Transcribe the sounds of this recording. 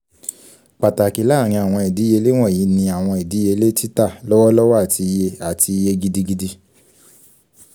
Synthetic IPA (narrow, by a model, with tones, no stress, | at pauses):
k͡pa˨ta˨ki˨˦la˦˨ɾ̃ĩ˧a˨w̃ɔ̃˧i˨di˨˦e˧le˦w̃ɔ̃˦˨ji˨˦nĩ˧a˨w̃ɔ̃˧i˨di˨˦e˧le˦ti˦ta˦˨lɔ˦wɔ˦lɔ˦wa˦˨ti˧i˧je˧a˨ti˧i˧je˧ɡi˧di˧ɡi˧di˧